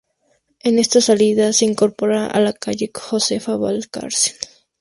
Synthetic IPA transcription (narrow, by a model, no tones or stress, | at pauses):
e̞ne̞st̪asaliðase̞iŋko̞ɾpoɾaʔa̰lakaʝe̞xosefaβalka̰ɾse̥n